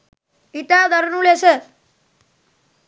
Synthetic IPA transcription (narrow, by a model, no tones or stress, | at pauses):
it̪aːd̪ɐɾnulese